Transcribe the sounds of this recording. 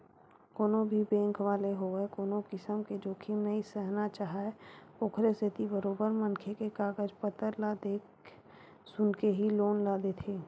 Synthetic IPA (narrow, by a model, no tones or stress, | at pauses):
koːnõbʱibɛ̃ːŋkʰʋaːleɦoekoːnokɪsəmked͡ʒoːkʰimnəisəɦnat͡ʃaːɦaeokʰɾeset̪ibəɾoːbəɾmə̃nkʰekekaːɡəd͡ʒpət̪əɾlad̪eːk | sʊnkeɦiloːnlad̪eːt̪ʰeː